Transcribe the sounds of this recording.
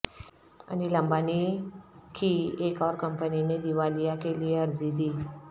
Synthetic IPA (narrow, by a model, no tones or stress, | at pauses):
a̰niləmbani | kʰiekɔɾkəmpənined̪iʋalijakeliəɾd͡zid̪i